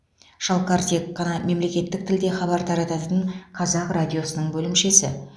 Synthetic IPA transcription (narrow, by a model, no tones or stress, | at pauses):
ʒ̥ɑlˠqɑɾt̪ʰe̞kːɑnɑme̞mle̞kʲe̞t̪ːɪk̚t̪ʰɪld̪eχɑbɑɾt̪ʰɑɾɑt̪ɑt̪əɴqʰɑzɑqradʲijo̞sənəɴbɵlɪmʃe̞sɪ̰